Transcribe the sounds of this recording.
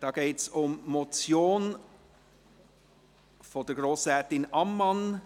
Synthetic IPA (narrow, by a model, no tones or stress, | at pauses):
d̥ɑːɡ̥eːtsʊmmot͡sjoːn | fɔdəɡɾoːsɛtɪnʔɑmːɑn